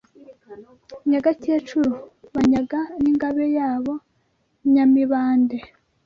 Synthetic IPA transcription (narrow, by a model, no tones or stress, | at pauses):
ɲaɡaceːt͡ʃuɾuβaɲaɡaniŋɡaβejaːβo̞ | ɲamiβaːnde